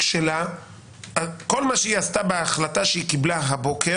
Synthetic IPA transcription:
ʃela | ako̞lmaʃeiast̪abeaχlat̪aʃeikiblaɦabo̞kʰe

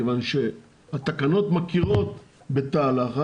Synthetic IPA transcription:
evanʃe | hat̪akano̞t̪makiʁo̞t̪ | be̞t̪aːlaχa

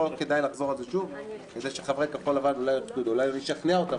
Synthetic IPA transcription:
ot̪̚ke̞dajlaχzo̞ʁalzeʃuvkezeʃeχavʁet̪̚kaχolavanulajlepkudulajmeʃaχneaot̪a

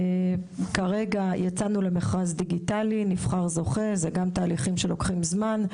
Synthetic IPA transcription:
kaʁe̞ɡajat͡sanule̞meχʁazd̪iɡit̪alinifχaʁzo̞χe̞zeɡamt̪aːliχimʃe̞lo̞kχimzman

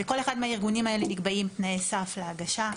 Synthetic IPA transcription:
veko̞le̞χad̪meaiʁɡunimae̞lenikbaimtnaesafleaɡaʃa

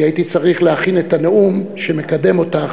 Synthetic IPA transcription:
aitit͡saʁiχleaχinetaneumʃeme̞kade̞mo̞ta

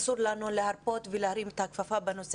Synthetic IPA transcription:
suɾlanulehaɾpo̞t̪veleaɾimet̪hakfafabeno̞se

